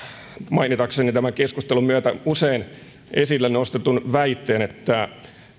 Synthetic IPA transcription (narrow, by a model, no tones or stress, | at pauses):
mɑinit̪ɑksenit̪æmæŋkeskust̪elumyæt̪æusein | ʔesilːænost̪et̪unʋæit̪ːeːnet̪ːæ